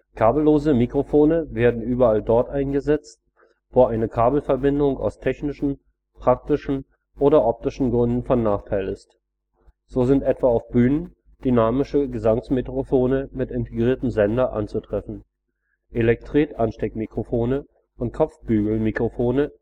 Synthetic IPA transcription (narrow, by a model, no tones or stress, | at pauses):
kʰaːbl̩loːzəmikʁ̥ofoːnəveːɐdn̩ʔyːbɐaldɔɐtʔaɪnɡəzɛt͡st̚ | v̥oːʔaɪnəkʰaːbl̩fɛɐbɪndʊŋa̰ʊstʰɛçnɪʃn̩ | pʁ̥ak̚tɪʃn̩ | ʔoːɾɐʔɔp̚tɪʃn̩ɡʁʏndn̩fɔnːaːχtʰaɪlɪst | z̥oːzɪntʔɛtv̥aːaʊfb̥yːnən | d̥ynaːmɪʃəɡəzaŋsmetʁ̥ofoːnəmɪtɪntʰeɡʁiːɐtəm̩zɛndɐʔa̰nt͡sutʁ̥ɛfn̩ | ʔelɛk̚tʁ̥iːtʔanʃtɛkmikʁ̥ofoːnə | ʔʊnt̚kʰɔp͡fb̥yːɡl̩mikʁ̥ofoːnə